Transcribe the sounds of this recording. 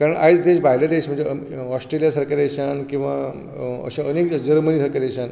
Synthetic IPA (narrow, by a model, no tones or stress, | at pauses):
kaɾəɳʔa̰jt͡sd̪eɕbʱaɦilad̪eɕm̤əɳd͡ze | ɔsʈɾelijasəɾkaɾeɕankĩw̃ʋa | ə̰ɕaənekd͡ʑəɾmənisəɾkaɾeɕãn